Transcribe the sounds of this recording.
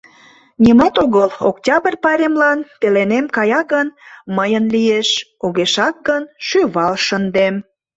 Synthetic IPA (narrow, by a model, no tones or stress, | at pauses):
nʲimɑt̪oɣəlo̰ktʲɑbərpɑɾʲemlɑnpelenemkɑjɑɡənməjənlijeʃoɣeʃɑk̚ɡənʃyβɑlʃənd̪em